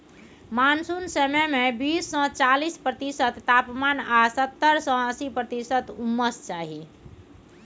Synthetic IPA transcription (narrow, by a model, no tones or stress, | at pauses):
mansunsəmɛmebisːɔ̃t͡ʃalispɾət̪isət̪ːapmanasət̪ːəɾsɔ̃əsipɾət̪isət̪umːəst͡ʃaɦi